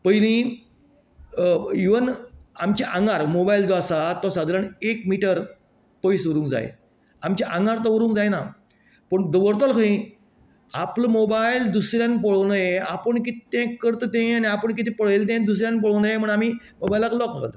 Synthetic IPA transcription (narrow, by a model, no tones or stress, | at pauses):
pəjlĩː | iʋənamt͡ɕiʔãŋɡaɾmobaild̪ʋasat̪ːɔsãd̪ləɳekmiʈəɾ | pəisʋəɾũːŋkd͡za̰j̰ | amt͡ɕaʔaŋɡaɾt̪ɔʋəɾũːŋkd͡zajna | pəɳd̪əʋəɾt̪ɔlkʰəĩ | apləmobaild̪usɾjãnpəɭonajeapəɳkitt̪ẽkːəɾt̪ət̪ẽaniapəɳk̬it̪ʰẽpəɽ̤elt̪̬ẽd̪us̬ɾjanp̬əɭ̤onajem̤əɳam̤iː | mobajlaklɔknəka̰t̪